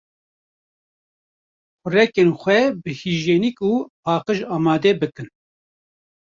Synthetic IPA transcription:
kʊrɛkeːnxʷɛbɨhiʒjeːnikuːpɑːqɨʒaːmɑːd̪ɛbɨkɨn

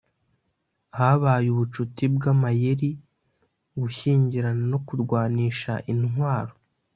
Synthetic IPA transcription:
haβaːjuβut͡ʃutibɡamajeɾi | ɡuʃiːɲɟiɾano̞kuɾɡwaːniːʃa̰ʔinɦwaːɾo

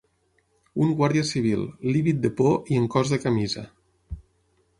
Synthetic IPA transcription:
uŋɡwaɾðiəsiβ̞ilˠliβit̪̚d̪əpoʔiəŋkɔzðəkamizə

